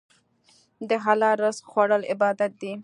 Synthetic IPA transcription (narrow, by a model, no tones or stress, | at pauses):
d̪əɦalɑɾəsxwaɽəlɪbɑːd̪at̪̚d̪i